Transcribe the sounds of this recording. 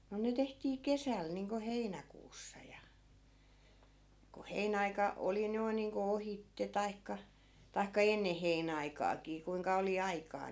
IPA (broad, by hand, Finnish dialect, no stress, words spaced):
no ne tehtiː kesæl niːŋko heinækuːsːɑ jɑ ko heinæɑikɑ oli noi̯n̆ niːŋko ohitːe tɑikːɑ tɑi̯kːɑ enːe heinæɑikɑːkiː kuiŋkɑ oli ɑikɑː